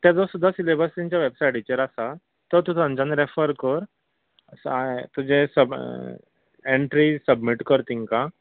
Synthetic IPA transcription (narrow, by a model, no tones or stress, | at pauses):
t̪jad͡zɔsud̪ʱːasilebəst̪ĩɲt͡ɕjaʋebsajʈit͡ɕəɾasa | t̪ət̪ut̪ʰãɲt͡ɕanɾefəɾkəɾ | st̪ud͡ʑesəb | eɳʈɾisəbmiʈkəɾt̪iŋka